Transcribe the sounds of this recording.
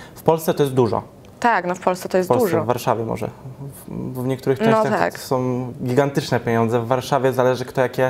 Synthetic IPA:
fpɔlst̪sɛt̪ɔjɛst̪d̪uʐɔ̰ | t̪aknɔfpɔlst̪sɛ̥t̪ɔjɛspɔd̪suʐɛɔvːaɾʂavʲjɛmɔ̰ʐɛ̰ | vɲɛk̚t̪uɾɘxt͡ʂɛ̃ɕɔt͡ɕat̪a̰ksɔ̃w̃ɡʲiɡant̪ɘt͡ʂnɛpʲjeɲɔnzɛvːaɾʂavʲjɛzalɛʐɘkt̪ɔjakʲɛ

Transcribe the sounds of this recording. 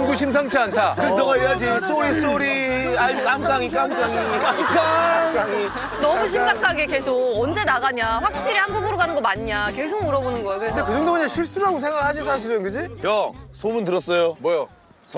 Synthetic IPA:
ɡuɕʰims̬ʰaŋt͡ɕʰiantʰakɯnʌɡaiad͡ʑis͈ʰoɾis͈oɾiaimk͈aŋk͈aŋik͈aŋk͈aŋiiat͡ɕ͈uk͈aai | nʌmuɕʰiŋɡakʰaɡeke̞sʰokʌnd͡ʑe̞naɣaɲaɸwak̚ɕ͈iɾihanɡuɡɯɾoɡanɯnɡʌmaɲɲake̞ɭsʰok̚muɾʌbonɯnɡʌjeɡndekɯd͡ʑʌŋdooɲaɕʰiɭs͈uɾɦaɡos̬ʰe̞ŋɡaɯɭhaɕisʰaɕʰiɾɯnkɯd͡ʑijʌsʰomɯntɯɾʌs͈ʌjomwʌja

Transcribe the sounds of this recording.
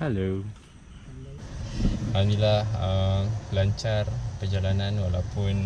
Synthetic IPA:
hɛlo | hanilahəmlaɲt͡ʃarpərd͡ʒalanãnwalawpun

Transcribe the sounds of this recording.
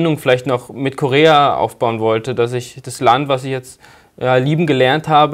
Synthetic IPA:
nʊŋfɪlaɪçtnɔχmɪtkʰoʁeːaʔa̰ʊfb̥aʊənvɔltədas̬ɪçd̥aslantv̥asɪçjɛt͡st | jaːliːbm̩ɡəlɛɐnthaːbə

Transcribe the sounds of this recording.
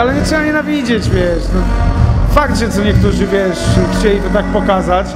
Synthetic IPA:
alɛɲɛt̪ʂɛbaɲɛnavʲid͡ʑed͡ʑvʲjɛʂnɔfak̚t̪ʐɛt̪sɔɲɛk̚t̪uʐɨvʲjɛʂɛxt͡ɕɛlʲib̪ɔt̪ak̚pɔkazat͡ɕ

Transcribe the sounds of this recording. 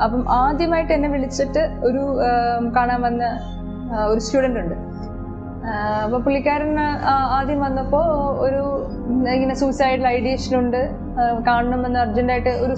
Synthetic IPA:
ɐpːɐmʔaːd̪jɐmaːjiʈːɨɐnːe̞ʋiɭit͡ɕːiʈːɨo̞ɾukaːɳaːmʋɐnːɐ | o̞ɾustuːɽɐnɖuɳɖɨ | ɐpːɐmpuɭːikʲːaːɾɐnaːd̪jɐmʋɐnːɐpːo̞ːoɾu | iŋːɐnesusaːjʈilɐjɽijeːʂɐnuɳɖɨ | kaːɳɐɳɐmʋɐnːɐɐrd͡ʑɐndaːjiʈːɨo̞ɾu

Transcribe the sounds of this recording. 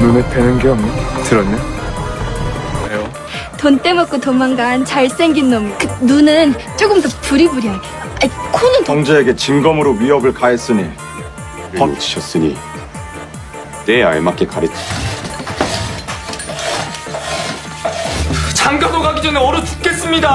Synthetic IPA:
nunepenɯnɡeʌmitɯɾʌnːe | ejo | tont͈e̞mʌk͈otomaŋɡant͡ɕaɭs͈eŋɡinːʌmkɯnunɯnt͡ɕ͈oɡɯmtʌpuɾibuɾia | aikʰonɯntʌŋd͡ʑeeɡe̞t͡ɕiŋɡʌmɯɾoɥiɦʌbɯɭkaes͈ɯni | pʌnt͡ɕʰiɕʰʌs͈ɯɲḭ | neaɭmak͈ekaɾit͡ɕ͈ʰi̥ | t͡ɕaŋɡanoɡaɡid͡ʑʌneʌɾɯtup̚k͈e̞s͈ɯmɲida

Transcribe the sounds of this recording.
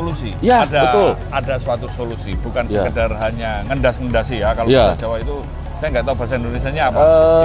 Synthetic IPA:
olusijadaəʊl | adasuat̪usolusḭbukansəkədarɦaɲaŋəndasŋəndasɪhjakaloaad͡ʒawait̪u | sajaŋɡat̪ab̥asaindonesiaɲaːpa

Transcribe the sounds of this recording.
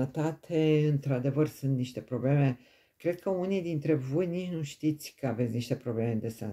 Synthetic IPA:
ət̪at̪ʰeɨnt̪ɾad̪e̞vərsɨnt̪niʃt̪e̞pɾo̞ble̞me | kɾe̞d̪̚kəunijd̪int̪ɾe̞vo̞jnit͡ʃnuʃt̪it̪sʲkəave̞tsʲniʃt̪e̞pɾo̞blemed̪esa̰

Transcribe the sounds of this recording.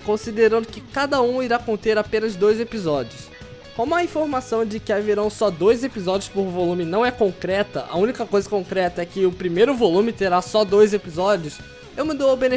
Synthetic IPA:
kõsid̪eɾɐ̃nd̪ʊkɪkad̪ɐũiɾakõnt̪eɾapẽnɐzd̪ojzepizɔd͡ʒiʊs | kõmʊɐĩfoɾmasɐ̃w̃d͡ʒɪkɪaveɾɐ̃w̃sɔd̪ojzepizɔd͡ʒiʊ̥spoɾvolũmɪnɐ̃w̃ɛkõkɾɛt̪ɐ̰ʔɐ̰ũnikɐkojzɐkõkɾɛt̪ɐɛkɪʊpɾimejɾʊvolũmɪt̪eɾasɔd̪ojzepizɔd͡ʒʊs | ewmɪd̪owɐbẽne

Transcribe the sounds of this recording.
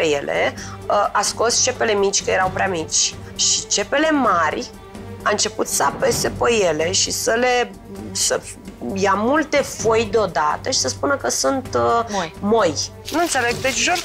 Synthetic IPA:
t̪ɾeje̞̰lḛəʔasko̞st͡ʃe̞pe̞le̞mit͡ʃʲkəje̞ɾawpɾeamit͡ʃʲ | ʃit͡ʃe̞pe̞le̞marʲ | aɨnt͡ʃe̞put̪səape̞se̞pəje̞le̞ʃisəle̞ | sə | jamult̪e̞fo̞jd̪eo̞d̪a̰t̪əʃi̥səspunəkəsunt̪ | moj | nuɨnt̪sele̞ɡd̪et͡ʃʒo

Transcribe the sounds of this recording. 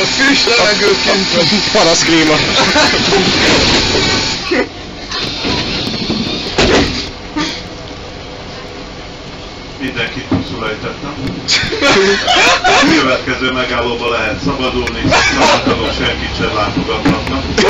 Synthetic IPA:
fyʃt̪ɛɛɡøkpɒɾɒskliːmɒ | mind̪ɛŋkit̪ːulsylɛjt̪ɛt̪ːɛm | køvɛt̪kɛzøːmɛɡaːloːbɒlɛɦɛt̪sɒbɒd̪ulnisɒbɒt̪ːɒlokʃɛŋkit̪ʃɛnlaːt̪o̞ɡɒt̪ːɒt̪nɒk

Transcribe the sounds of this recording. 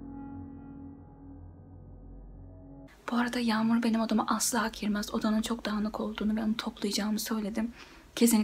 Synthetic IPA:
b̥uaɾad̪ajaːmuɾbe̞nimod̪amaʔaslˠaɦakʰiɾmæzo̞d̪anɯnt͡ʃʰo̞kd̪aɦɯnɯkʰo̞lˠd̪uːnuvɛonut̪ʰo̞plˠɯjad͡ʒaːnɯsø̞jlʲe̞d̪im | cʰe̞sin

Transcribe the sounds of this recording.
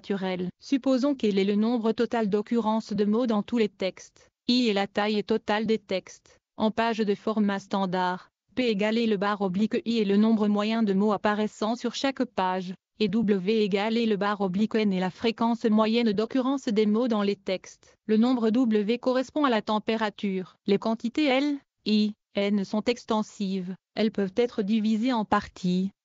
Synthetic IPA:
t̪ʰyʁɛlsypozɔ̃kɛlɛlənɔ̃bʁət̪ɔt̪ald̪ɔkʲyʁɑ̃sd̪əmod̪ɑ̃t̪ulet̪ɛkst̪ | iɛlat̪ajɛt̪ɔt̪ald̪et̪ɛkst̪ | ɑ̃paʒd̪əfɔʁmast̪ɑ̃d̪aʁ | peeɡaleləbaʁɔblikiɛlənɔ̃bʁəmwajɛ̃d̪əmoapaʁɛsɑ̃syʁʃakpaʒ | ed̪ubləveːɡaleləbaʁɔblikɛnelafχekɑ̃smwajɛnd̪ɔkʲyʁɑ̃sd̪emod̪ɑ̃let̪ɛkst̪ | lənɔ̃bʁəd̪ubləvekɔʁɛspɔ̃alat̪ɑ̃peʁat̪yːʁlekɑ̃t̪it̪eɛl | i | ɛnsɔ̃t̪ɛkst̪ɑ̃siv | ɛlpœvt̪ɛt̪χəd̪ivizeɑ̃paʁt̪ʰi

